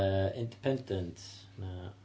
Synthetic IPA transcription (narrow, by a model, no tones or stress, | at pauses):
ɪ̃ndipʰɛ̃ndə̃nts | na